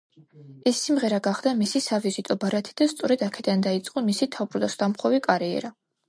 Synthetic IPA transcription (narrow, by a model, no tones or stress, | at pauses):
ɛsːimʁɛɾaɡaχd̪amisisavizit̪ʼɔbaɾat̪ʰi̥d̪̥ast̪sʼɔɾɛd̪akʰɛd̪and̪ait̪sʼqʼɔmisit̪ʰabɾɔd̪ɔsd̪amχɔvikʼaɾiɛ̰ɾa